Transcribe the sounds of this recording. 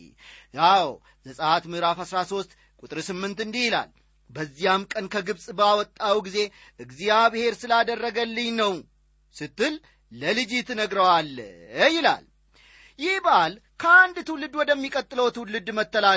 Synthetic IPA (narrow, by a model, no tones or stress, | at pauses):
jaw | zəsʼəhat̪mɨhɾafhasɾaso̞st̪ | kʼut̪ʼɾsɨmːɨnt̪ɨnd̪ihɪla̰l | bəzːijamkʼənkʰəɡɨbsʼbawɔt̪ʼːawɡize̞ | ʔɨɡzijabɨhe̞ɾsɨlad̪ərːəɡəlːɨɲnəw | sɨt̪ːɨlː | əlɨd͡ʒɪt̪nəɡɾəwalːjɪla̰l | jɪhbəʔal | kʰəand̪t̪ʰɨwlɨd̪wɔd̪əmːikʼət̪ʼːɨləwt̪ʰɨwlɨd̪mət̪ːəla